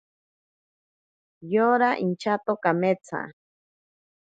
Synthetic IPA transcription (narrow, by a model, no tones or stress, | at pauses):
joɾaʔint͡ʃʰat̪okamet͡sʰa̰